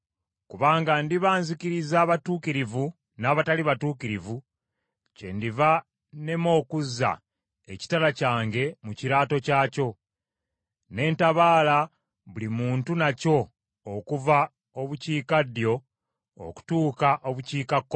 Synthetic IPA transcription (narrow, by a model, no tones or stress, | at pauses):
kuβaːŋɡandiβaːnzikiɾizaːβatuːkiɾivu | naːβataliβatuːkiɾivu | ce̞̰ndiva | ne̞mo̞ːkuzːa̰ | eci̥talacaːŋɡe̞muciɾaːto̞caːco̞ | ne̞ːntaβaːla | βulimuːntunaco̞ː | kuva | o̞βuciːkadjo̞̰ː | ku̥tuːkaʔoβuciːkakːo